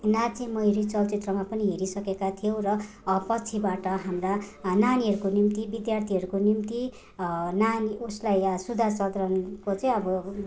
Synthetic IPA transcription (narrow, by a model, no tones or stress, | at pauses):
nat͡semʌjɾit͡sʌlt͡sit̪rʌmapʌniɦeɾisʌkekat̪ʰijow̃rʌ | pʌt͡sʰibaʈʌɦamrananiɦʌɾukonimt̪ibid̪jart̪ʰiɦʌɾukonimt̪i | nanioslajsud̪ʱasʌd̪ɾʌnkot͡sʌĩʌbʌ